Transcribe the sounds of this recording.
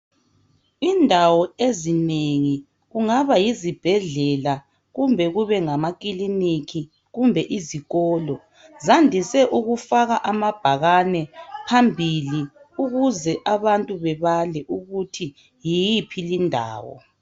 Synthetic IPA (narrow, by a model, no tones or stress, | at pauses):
indʱawɔezineŋi | ɣuŋaβajizib̥ʱɛɮɛla | ɣumbʱɛɣuβɛŋamak̬ʼilinikʰi | ɣumbʱɛʔiziɣɔːlɔ | zandʱisɛʔuɣufaɣaʔamab̥ʱaɣanɛpʰambʱili | uɣuzɛʔaβantʼuβɛβalɛʔuɣutʰi | jijipʰilindʱa̰ːwɔ̰